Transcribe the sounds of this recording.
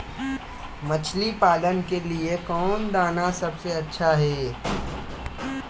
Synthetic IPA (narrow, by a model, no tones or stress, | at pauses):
mɐt͡ʃʰlipaːlənkeliekɔːnd̪aːnasɐbseɐtːʃʰaɦɛː